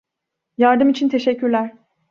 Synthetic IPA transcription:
jaɾd̪ɯmit͡ʃʰint̪ʰe̞ʃɛcʰːyɾlʲæɾ̥

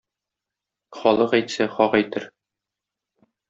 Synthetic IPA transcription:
χɒlˠɤqæjt̪sæχɒqæjt̪ɘɾ

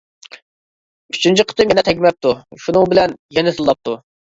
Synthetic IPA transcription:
yt͡ʃʰynt͡ʃʰiqʰə̥t̪ɨmjɛnɪt̪ʰɛkʲmɛp̚t̪ʰuʃunɨŋbɪlɛnjɛnɪt̪ʰɨlˠːɑp̚t̪ʰu

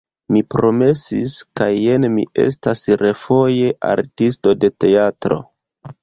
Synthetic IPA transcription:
mipɾo̞me̞siskajenmḭe̞̰stasɾe̞fo̞je̞ʔa̰ɾtisto̞de̞te̞atɾo̞̰

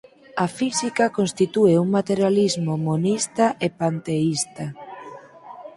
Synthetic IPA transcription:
afisikakonst̪it̪ueuŋmat̪eɾjalizmomonist̪aʔepant̪eist̪a

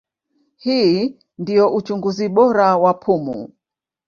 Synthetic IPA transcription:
hiː | ndijɔʔut͡ʃuŋɡuziɓɔɾawapʰumṵ

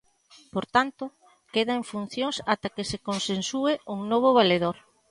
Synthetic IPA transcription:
poɾt̪ant̪ʊ | keðaeɱfun̟θjoŋsat̪akesekonsensueʔuŋnoβ̞oβaleðoɾ

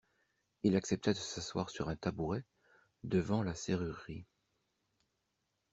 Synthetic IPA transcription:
ilaksɛp̚t̪ad̪əsaswa̰ʁsyʁɛ̃t̪abuʁɛ | d̪əvɑ̃laseʁyʁːi

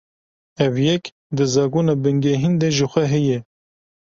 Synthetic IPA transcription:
ɛvjɛk | d̪ɨzɑːɡuːnɑːbɨŋɡeɦind̪eʒɨxʷɛɦɛjɛ

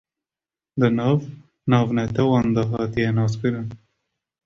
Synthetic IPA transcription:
d̪ənɑːv | nɑːvnɛt̪ɛwɑnd̪ɑɦɑːt̪ijɛnɑːskɨɾɨn

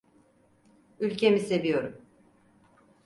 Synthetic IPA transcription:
ylʲcʰe̞mise̞vijo̞ɾum

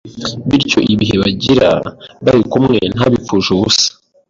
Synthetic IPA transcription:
βiɾco̞̰ʔiβiɦe̞βaɟiɾa̰βaɾikumŋe̞n̥aβifuʒuβusḁ

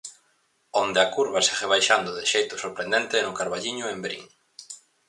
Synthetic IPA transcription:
ond̪eakuɾβaseɣeβ̞ajʃand̪ʊðɪʃejt̪ʊsoɾpɾend̪ẽnt̪enʊkaɾβaʎiɲʊembɾḭŋ

